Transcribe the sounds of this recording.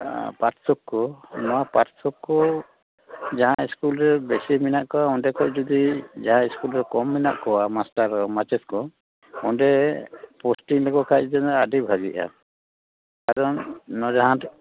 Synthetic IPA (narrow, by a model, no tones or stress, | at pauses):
paʈsɔkːɔnɔwapaɾsɔkːɔ | d͡ʒaɦãiskulɾɛbɛsiminaʔkɔwaɔnɖɛkʰɔʔd͡ʒud̪id͡ʒaɦãiskulɾɛkɔmːina̰ʔkɔwamasʈaɾɔmat͡ʃɛt̚kɔ | ɔnɖɛpɔsʈiŋlɔɡɔkʰajd͡ʒɛnadibʱaɡiʔa̰ | kaɾɔnːɔd͡ʒaɦã